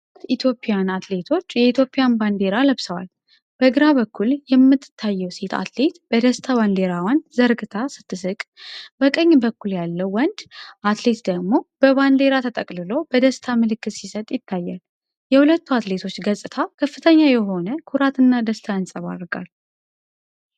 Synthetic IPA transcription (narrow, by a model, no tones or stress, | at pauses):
it̪ʰjo̞pʼːijanat̪le̞t̪ʰo̞t͡ʃːjɛit̪ʰjo̞pʼːijanband̪e̞ɾaləβsəwa̰l | b̥əɡɨɾaβəkʰːuljɛmːɨt̪ʰːɨ̥t̪ʰːajːɛwse̞t̪ʰa̰t̪le̞t̪b̥əd̪əst̪ʰaβand̪e̞ɾawanzəɾɡɨt̪ʰasɨ̥t̪ʰːɨsɨkʼbəkʼəɲːbəkːuljalːəwːɔnd̪ʔat̪le̞t̪d̪əɡmo̞b̥əβand̪e̞ɾat̪ʰət̪ʼəkʼlɨlo̞b̥əd̪əst̪ʰamɨlɨkːɨt̪sisət̪ʼjɪt̪ʰːajːal | jɛhulət̪ʰːuat̪le̞t̪ʰo̞t͡ʃːɡəsʼɨt̪ʰakʰəfːɨt̪ʰəɲːajɛɦo̞nəkʰuɾat̪ɨnːad̪əst̪ʰajansʼəβa̰rɡa̰l